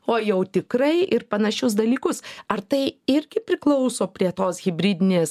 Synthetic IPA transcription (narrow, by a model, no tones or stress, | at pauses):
oːjɛʊt̪ʲɪkɾɐɪʔɪɾpɐnɐʃʲʊsd̪ɐlʲiːkʊsɐrt̪ɐɪɪɾʲɡʲɪpʲɾʲɪklˠɐʊsoːpʲɾʲiɛt̪oːsɣʲɪbʲɾʲiːd̪ʲɪnʲeːs